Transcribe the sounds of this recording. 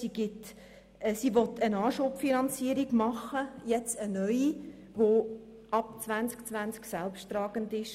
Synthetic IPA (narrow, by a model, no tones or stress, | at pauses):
siɡ̥ɪt | siʋɔtʰənɑːʃopfinɑnt͡siəɾiɡmɑχəjɛt͡sənœʏi | ʋo | ɑp̚t͡svænt͡skt͡svʋænt͡sksɛlpʃttrɑːɡ̥əndɪʃ